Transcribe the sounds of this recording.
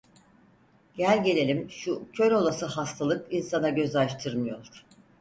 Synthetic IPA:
ɟælʲɟe̞lʲe̞lʲimʃucʰø̞ɾo̞lˠasɯhast̪ʰalˠɯkinsanaɟø̞zaʃt̪ʰɯɾmɯjo̞lˠuɾ̥

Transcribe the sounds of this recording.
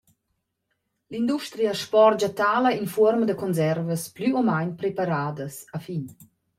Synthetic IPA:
lind̪uʃt̪ɾiaʃpɔɾd͡ʒat̪aːlainfɔɾmad̪əkɔnzɛɾvəsplyomajnpɾepaɾaːdəsafin

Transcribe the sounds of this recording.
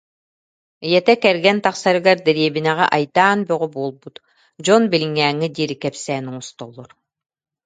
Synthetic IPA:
ijɛt̪ɛkɛɾɡɛnt̪aχsaɾɯɡaɾd̪ɛɾiɛbinɛʁɛʔajt̪aːnbœʁybuɔlˠbut̪ | d͡ʑɔnbiliŋːɛːŋːid̪iːɾikɛpsɛːnuŋɔst̪ɔlˠːɔɾ

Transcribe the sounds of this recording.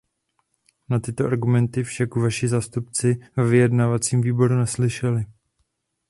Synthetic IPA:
nat̪ɪt̪o̞ʔaɾɡumɛnt̪ɪfʃakuvaʃɪzaːst̪upt͡sɪvɛvɪjɛdnavat͡siːmviːbo̞ɾunɛslɪʃɛlɪ

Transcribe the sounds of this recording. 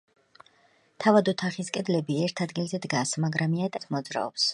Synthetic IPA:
t̪ʰavad̪ɔt̪ʰaχiskʼɛd̪lɛbiɛɾt̪ʰad̪ɡilˠzɛd̪ɡasmaɡɾamiat̪ʼɛt̪ʰmɔd̪zɾa̰ɔ̰ps

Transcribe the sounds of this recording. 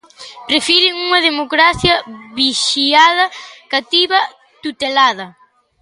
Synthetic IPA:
pɾefiɾɪŋuŋɐðemokɾaθjɐβiʃiaðɐkat̪iβɐ | t̪ut̪elaðɐ

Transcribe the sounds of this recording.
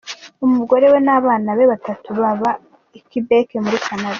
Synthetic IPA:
umuɡo̞ɾe̞we̞naβaːnaβe̞βatatuβaβa | ikibe̞ːke̞muɾikʰanaɾa

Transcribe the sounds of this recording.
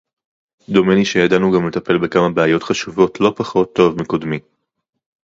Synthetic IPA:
d̪o̞meniʃejadanuɡamle̞t̪ɐpe̞lbe̞kamabeajo̞tχaʃuvo̞tʰlo̞paχo̞t̪ːo̞vmeko̞dmi

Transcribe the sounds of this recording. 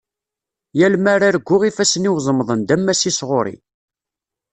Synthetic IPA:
jælmaɾaɾɡʷːʊʁifæsniwzˤəmðˤənd̪æmːæsisʁoɾˤḭ

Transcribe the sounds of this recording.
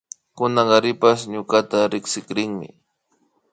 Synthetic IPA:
kʊnaŋaɾɪpasɲʊkat̪aɾɪksɪkɾɪŋmɪ̰

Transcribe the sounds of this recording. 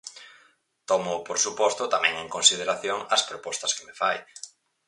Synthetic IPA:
t̪ɔmʊpoɾsupɔst̪ʊt̪amɛ̃ŋeŋkonsið̞eɾaθjoŋɐspɾopɔst̪ɐskemefaj

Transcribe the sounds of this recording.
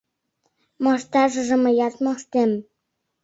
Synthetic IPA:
mɑʃt̪ɑʒə̆ʒĕmɤ̆jɑt̪mɑʃt̪em

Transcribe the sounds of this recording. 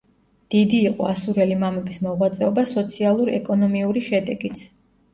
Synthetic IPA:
d̪̥id̪iːqʼɔasuɾɛlimamɛbismɔʁwat̪sʼɛɔbasɔt̪sʰialˠuɾɛ̰kʼɔnɔmiuɾiʃɛd̪ɛɡit̪sʰ

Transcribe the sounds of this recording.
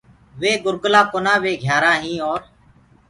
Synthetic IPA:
ʋeːɡʊɾɡlaːkoːnãːʋeːɡʱjaːɾaːɦĩːoːɾ

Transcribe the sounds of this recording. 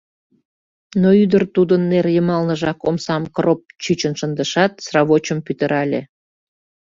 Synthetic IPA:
noyd̪ərt̪ud̪ənːerjəmɑlnəʒɑkomsɑmkrop̚t͡ɕyt͡ɕənʃənd̪əʃɑt̪srɑβot͡ɕəmpyt̪əɾʔɑlʲḛ

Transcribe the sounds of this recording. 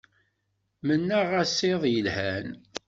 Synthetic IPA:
mənːaʁæsːeðˤjəlhæn

